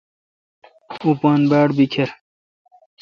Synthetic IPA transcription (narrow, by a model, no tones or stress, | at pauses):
upaːnbaːɽbikʰeɾ